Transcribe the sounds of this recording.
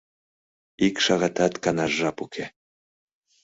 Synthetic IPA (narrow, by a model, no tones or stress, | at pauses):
ikʃɑɣɑt̪ɑt̪kɑnɑʒːɑpukʰe